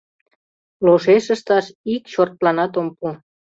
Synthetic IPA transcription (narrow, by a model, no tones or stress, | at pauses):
loʃeʃəʃt̪ɑʃikʃort̪̚lɑnɑt̪ompu